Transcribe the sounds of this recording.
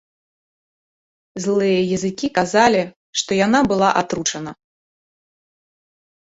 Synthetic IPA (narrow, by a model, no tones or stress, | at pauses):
zlˠɨjɐjɐzɨkʲikazalʲi | ʂt̪ɔjan̪abɨlˠaʔat̪ɾut͡ʂɐnɐ